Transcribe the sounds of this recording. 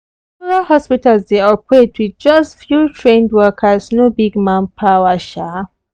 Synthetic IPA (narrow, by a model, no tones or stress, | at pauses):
ɹalhɔspitalzdeɔpʰɹedwiðd͡ʒʌstfjutʰɹẽndwɜkʰəsnobiɡmãnpʰawəʃa